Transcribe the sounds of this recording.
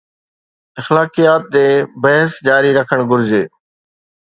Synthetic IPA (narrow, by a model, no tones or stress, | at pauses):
ɪxlaːkijaːt̪̚d̪eːbəɦsd͡ʒaːɾiːɾəkʰəɽ̃ɡʊɾzeː